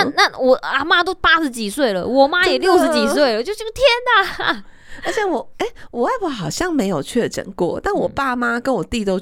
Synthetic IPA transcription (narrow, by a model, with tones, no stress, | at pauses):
na˥˩wɔ˨˩a˨˩ma˥t̪o˥ʊpa˥ʂɻ̩˧˥t͡ɕi˨˩swe˥˩ɪlə˩wɔ˨˩ma˥jɛ˨˩ljo˥˧ʊʂɻ̩˧˥t͡ɕi˨˩swe˥˩ɪlə˩t͡ɕjo˥˧t͡ɕi˥t̪ʰjɛ˥nd̪ə˨ | ə˞˧˥t͡ɕʰjɛ˧˩wɔ˨˩e˥ɪwɔ˨˩wa˥˩ɪpə˨˩xɑ˨˩ʊɕjɑ˥˩ŋme˧˥ɪjo˨˩ʊt͡ɕʰɥɛ˥˩ʈ͡ʂə̰˨˩nkwɔ̰˥˩t̪a˥˩nwɔ˨˩pa˥˩ma˥kə˥nwɔ˨˩t̪i˥˧t̪o˥ʊ